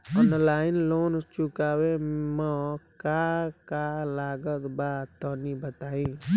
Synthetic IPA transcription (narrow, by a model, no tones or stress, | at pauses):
ɔnlaːɪnloːnt͡ʃʊkaːwemə̃kakalaːɡət̪bat̪ɔnibət̪aːĩ